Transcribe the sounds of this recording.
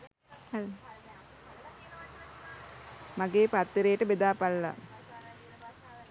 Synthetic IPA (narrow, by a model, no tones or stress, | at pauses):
l | maɡeːpat̪ːəɾeːʈəbed̪aːpalːa̰